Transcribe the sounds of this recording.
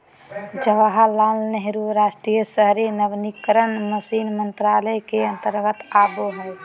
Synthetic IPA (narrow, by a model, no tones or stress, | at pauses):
d͡ʒəʋaɦalaːlnɛɦɾuɾaːsʈɾijəsəɦɾenəʋnikəɾənməsinmənt̪ɾaːləjkeə̃nt̪əɾɡət̪aːboɦɛ̃